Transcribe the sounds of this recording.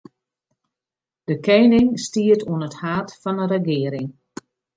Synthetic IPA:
d̥əkʰɛjnɪŋstiətʰuənəthaːtfɔnənrəɡɪəɾɪŋ

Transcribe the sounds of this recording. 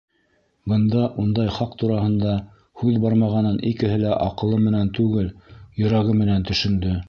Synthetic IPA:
bɤ̆nd̪ɑʔund̪ɑjχɑqt̪uɾɑhɤ̆nd̪ɑ | hʉðbɑɾmɑʁɑnɤnʔikɘ̆ɦɘlæʔɑqɤ̆lˠɤmɘ̆nænt̪ʉɡɘljɤ̆ɾɑʁɤmɘ̆nænt̪ɵ̆ʃɵ̆nd̪ɵ

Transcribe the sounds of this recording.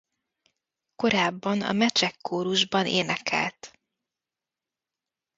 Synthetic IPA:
ko̞ɾaːbːɒnɒ̰mɛt͡ʃɛkʰːoːɾuʒbɒneːnɛkʰɛ̰lt̪

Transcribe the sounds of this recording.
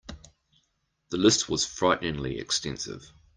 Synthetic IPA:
ðəlɪst̚ʰwɒz̥fɹaɪʔnɪ̃ŋliɪ̰kstɛ̃nsɪ̰v̥

